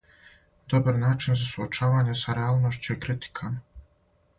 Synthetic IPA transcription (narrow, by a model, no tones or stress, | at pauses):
d̪o̞baɾnaːt͡ʃinzasuot͡ʃaːʋaːɲesaɾeaːlˠno̞ʃt͡ɕujekɾit̪i̥kʰama